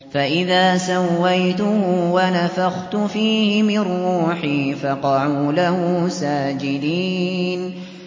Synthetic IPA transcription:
faʔɪðaːsawːajt̪ʊhːwanafaɣt̪ʊfiːhɪmɪrːuːħiːfɑqɑʕuːlahuːsaːd͡ʒɪd̪iːn

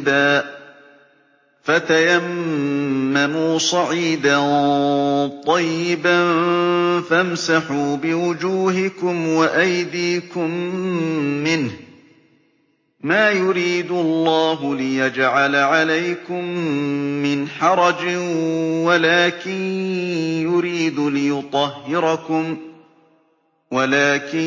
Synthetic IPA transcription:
d̪aː | fat̪ajamː | amuːsˤɑʕiːd̪a | t̪ˤɑjːɪban | famsaħuːbɪwʊd͡ʒuːɦɪkʊmwaʔajd̪iːkʊmː | ɪnh | maːjʊɾiːd̪ʊɑlˤːɑːɦʊlɪjad͡ʒʕalaʕalajkʊmː | ɪnħɑɾˤɑd͡ʒɪwalaːkɪn | jʊɾiːd̪ʊlɪjʊt̪ˤɑhːɪɾɑkʊm | walaːkɪ

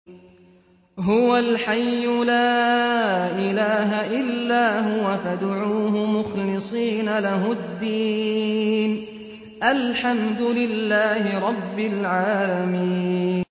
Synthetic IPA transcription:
ɦʊwalħajːʊlaː | ʔɪlaːɦaʔɪlːaːɦʊwafad̪ʕuːɦʊmʊxlɪsˤiːnalaɦʊd̪ːiː | n | ʔalħamd̪ʊlɪlːaːhɪɾˤɑbːɪlʕaːlamiːn

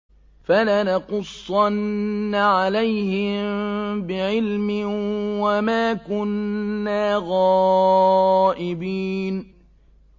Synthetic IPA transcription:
falanɑqʊsˤːɑnːaʕalajhɪmbɪʕɪlmɪwamaːkʊnːaːɣɑː | ʔɪbiːn

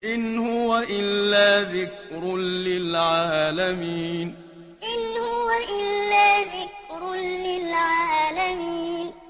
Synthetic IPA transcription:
ʔɪnhʊwaʔɪlːaːðɪkɾʊlɪlʕaaːaːlamiːn | ʔɪnhʊwaʔɪlːaːðɪkɾʊlɪlʕaːlamiːn

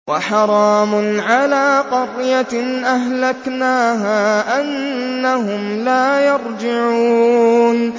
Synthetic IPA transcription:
wɑħɑɾˤɑːmʊnʕalaːqɑɾjaʔaɦlaknaːɦaːʔanːaɦʊmlaːjɑɾˤd͡ʒɪʕuːn

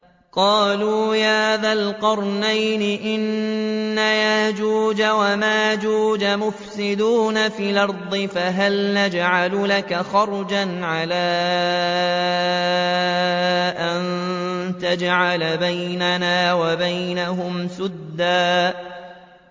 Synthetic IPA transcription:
qɑːluːjaːðaːlqʊɾˤnajnɪʔɪnː | ajahd͡ʒuːd͡ʒawamaːd͡ʒuːd͡ʒamʊfsɪd̪uːnafiːlɑɾˤd̪ˤɨfaɦalnad͡ʒʕalʊlakaxɑɾˤd͡ʒanʕalaː | ʔant̪ad͡ʒʕalbajnanaːwabajnaɦʊmsʊd̪ːaː

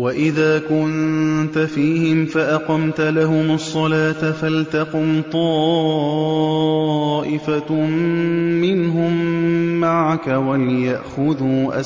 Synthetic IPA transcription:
waʔɪðaːkʊnt̪afiːhɪmfaʔɑqɑmt̪laɦʊmɑsˤːɑlaːt̪afalt̪aqʊmt̪ˤɑ | ʔɪfa | mɪnɦʊmːaʕakawaljaʔxʊðuːʔa̰

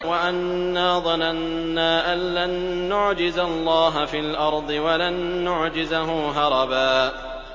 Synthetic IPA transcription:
waʔanːaːðˤɑnanːaːʔanlanːʊʕd͡ʒɪzalˤːɑːɦafiːlʔɑɾˤd̪ˤɨwalanːʊʕd͡ʒɪzaɦʊːɦɑɾˤɑbaː

